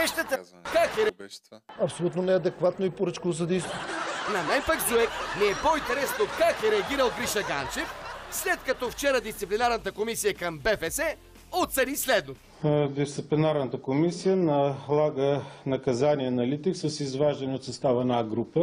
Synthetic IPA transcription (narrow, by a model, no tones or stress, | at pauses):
ɛʃt̪ət̪əkakɛɾ | ɐpsolʲut̪nonɛɐd̪ɛkvat̪noipoɾət͡ʃkovozɐd̪ɛjst̪onɐmɛnpaɡzuɛknɛːpoint̪ɛɾɛsnokakɛɾɛɐɡʲiɾəlˠɡɾiʃɐɡant͡ʃɛfslɛt̪̚kɐt̪ɔft͡ʃɛɾəd̪ist̪siplinaɾnɐt̪əkomisijəkɐmbɛfɛsɛ | ot̪sɛnislɛd̪not̪ | d̪ist̪siplinaɾnət̪əkomisijənɐlˠaɡənɐkɐzaniənɐlit̪ɛksəsizvaʒd̪əniot̪sɐst̪avɛnaɡɾupə